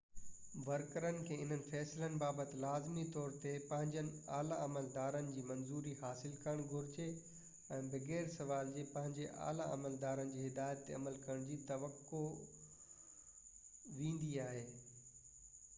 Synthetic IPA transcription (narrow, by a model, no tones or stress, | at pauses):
ʋɐɾkəɾənɪ̆kʰeːɪn̤ənɪ̆fɛːsɪlənɪ̆baːbət̪ɪ̆laːzmit̪ɔːɾt̪epɐ̃ɦɪ̃ɲd͡ʑənɪ̆aːlaɐməld̪aːɾənɪ̆d͡ʑiːmɐ̃nzuːɾiɦaːsɪlkəɽ̃ɡʱʊɾɪd͡ʑe | ɛ̃ːbɐɣeːɾsɐʋaːld͡ʑeːpɐ̃ɦɪ̃ɲd͡ʑeʔa̰ːla̰ɐ̰məld̪aːɾənɪ̆d͡ʑiːɦɪd̪aːjət̪ːeɐ̰məlkɐɾəɽ̃d͡ʑiːt̪ɐʋəkːo | ʋĩːn̆d̪iaːɦeː